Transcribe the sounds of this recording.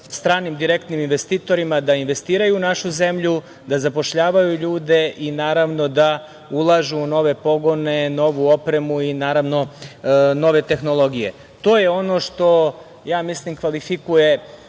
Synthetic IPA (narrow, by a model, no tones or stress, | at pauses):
st̪ɾaːnimd̪iɾe̞kt̪niminʋe̞st̪iːt̪o̞ɾimad̪ainʋe̞st̪iːɾajuːnaʃuze̞mʎu | d̪azapo̞ʃʎaːʋajuʎuːd̪e̞ʔinaːɾaʋno̞d̪a | ulˠaʒuːno̞ʋe̞po̞ɡo̞ne̞no̞ʋuo̞pɾe̞muinaːɾaʋno̞ | no̞ʋe̞t̪e̞xno̞lˠo̞ɡije̞̰ | t̪o̞ːje̞o̞no̞ʃt̪o̞ | jaːmislimkʋalifikuje̞